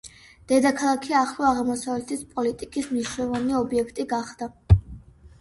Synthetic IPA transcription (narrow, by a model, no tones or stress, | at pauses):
d̪̥ɛd̪akʰalˠakʰiaχlˠɔaʁmɔsavlɛt̪ʰispʼɔlit̪ʼikʼismniʃwnɛlˠɔvaniɔbiɛkʰt̪ʼiɡaχd̪̥a